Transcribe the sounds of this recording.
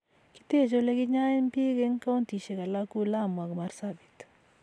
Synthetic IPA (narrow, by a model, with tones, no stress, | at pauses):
ki̥˦t̪e˦˨t͡ʃo˦le˦ɡɪ˦ɲa˦mpɪ˦ɡe˦ŋka˦o˦nt̪i˨t͡ʃe˨ka˨la˦ku˦la˦˨mwa˨ɡma˨rsabi̥˨t̪